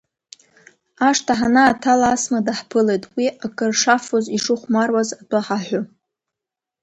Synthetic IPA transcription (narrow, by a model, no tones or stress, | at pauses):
aʂtʰaħanaːtʰalaasmadaħpʰɨle̞jtʼwiakʼɨrʂafoziʂɨχʷmarwazadʰʼaħaħʷʊ